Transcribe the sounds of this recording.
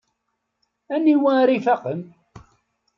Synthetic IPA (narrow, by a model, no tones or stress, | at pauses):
ænːiwæɾifaqəm